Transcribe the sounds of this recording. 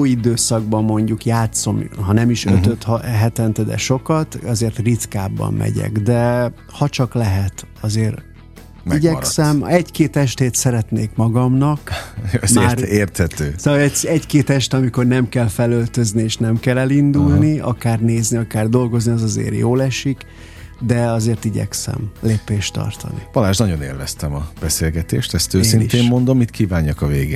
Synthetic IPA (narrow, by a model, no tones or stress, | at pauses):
jid̪øːsɒɡbɒmːo̞ɲɟukjaːt̪so̞mɦɒnɛmiʃø̰t̪øt̪hɦɛt̪ɛnt̪ɛd̪ɛ̰ʃo̞kɒt̪ɒzeːrt̪rit̪kaːbːɒ̰mmɛ̰ɟɛ̰ɡd̪ɛ | hɒt͡ʃɒklɛɦɛt̪ | ɒzeːr | iɟɛsɛmɛckeːt̪ɛʃt̪eːt̪sɛɾɛt̪neːkmɒɡɒmnɒkmːreːrt̪hɛt̪øːsoɛɛckeːt̪ɛʃt̪ɒmiko̞rnɛmkɛlfɛlølt̪øznieːʃnɛmkɛlɛlind̪ulniɒ̰kaːrneːzniɒkaːrd̪o̞lɡo̞zniɒzɒzḛːrjoːlɛʃik | d̪ɛɒzeːrt̪iɟɛ̰ksɛ̰mleːpeːʃt̪ɒ̰rt̪ʰɒ̰nḭb̥ɒlaːʃnɒɟo̞nḛːlvɛst̪ɛmɒb̥ɛseːlɡɛt̪eːʃt̪ɛst̪øːsːinit̪eːmːo̞nd̪o̞mːit̪kʰiːvaːɲːɒkɒveːɡḛː